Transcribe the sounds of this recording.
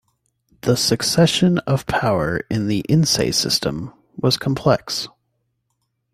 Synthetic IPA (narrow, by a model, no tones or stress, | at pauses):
ðəsɨksɛʃɨ̃nʌv̥pʰaʊə˞ɪ̃nðiʔɪ̃nseɪsɪ̰stʰə̃m | wʌz̥kʰm̩pʰl̥ɛks